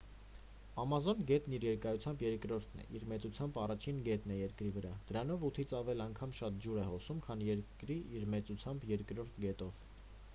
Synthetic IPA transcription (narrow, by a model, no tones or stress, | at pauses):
ɑmɑzɔnɡɛt̪niɾjɛɾkɑjut͡sʰjɑmbjɛɾkɾɔɾt̪ʰnɛ̰ʔiɾmɛt͡sut͡sʰjɑmbɑrɑt͡ʃʰinɡɛt̪nɛjɛɾkɾivəɾɑd̪̥əɾɑnɔvut̪ʰit͡sʰɑvɛlɑŋkʰɑmʃɑt̪̚d͡ʒuɾɛhɔsumkʰɑnjɛɾkɾiiɾmɛt͡sut͡sʰjɑmbjɛɾkɾɔɾt̪ʰɡɛt̪ɔv̥